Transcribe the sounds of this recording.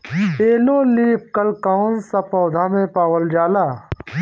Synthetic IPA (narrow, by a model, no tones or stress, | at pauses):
eːloːliːp̚kɐlkaʊnsɐpɔːd̪ʱamẽpaːwəld͡ʒaːlaː